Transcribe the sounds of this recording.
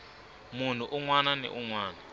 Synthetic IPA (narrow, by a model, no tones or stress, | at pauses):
mun̤uʔuŋwananɛ̰ʔuŋwaːna